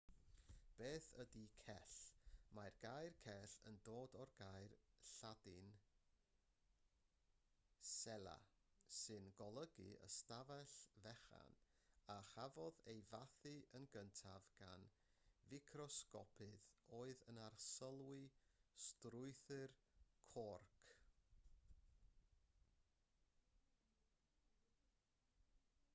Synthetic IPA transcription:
b̥eːθədikʰɛɬmajrɡ̥ajrkʰɛɬə̰ndoːdɔrɡajrɬadɪn | sɛlˠa̰ | sɨnɡɔlˠəɡɨ̰ə̰stavɛɬvɛχa̰n | aχavɔðejvaθɨənɡəntʰavɡ̥an | vɪkʰrɔskɔ̰pʰɨðoːɨðənarsəlˠwɪstrʊɨθɨrkʰɔrkʰ

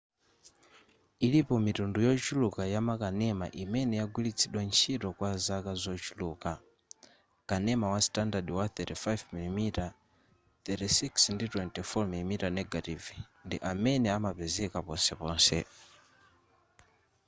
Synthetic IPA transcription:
ilipɔmitundujɔt͡ʃulukajamakanɛma̰ʔimɛnɛjaɡwilit͡sʰiɗwant͡ʃʰitɔkwazakazɔt͡ʃuluka | kanɛmawastandadiwaθɛtifajvmilimita | θɛtisiksnditwɛntifɔmilimitanɛɡativ | ndiʔamɛnɛamapɛzɛkapɔsɛpɔːnsɛ̰

